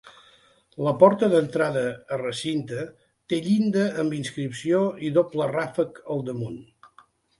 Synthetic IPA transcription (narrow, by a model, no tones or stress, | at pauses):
ləpɔɾt̪əðənt̪ɾaðəːrəsint̪ə | t̪eʎind̪əːmbinskɾipsioiðoplərafəkəlˠd̪əmun